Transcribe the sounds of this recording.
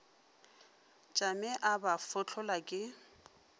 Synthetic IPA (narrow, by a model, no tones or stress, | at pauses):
t͡ʃʼamɛʔabafʊt͡ɬʰʊlakʼɪ